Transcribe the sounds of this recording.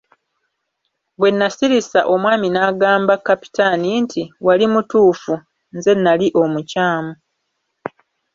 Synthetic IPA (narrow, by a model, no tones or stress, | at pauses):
βwe̞nːasiɾisaʔo̞mwaːminaːɡaːmbakːapi̥tanintʰiwalimutuːfu | nze̞nːaliʔo̞mucaːmu